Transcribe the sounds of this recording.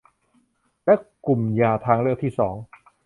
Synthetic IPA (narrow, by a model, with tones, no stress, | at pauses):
lɛ˦˥˩ku˨˩mjaː˧t̪ʰaː˧ŋɾɯ˥˩k̚t̪ʰiː˥˩sɔ̰ː˩˦ŋ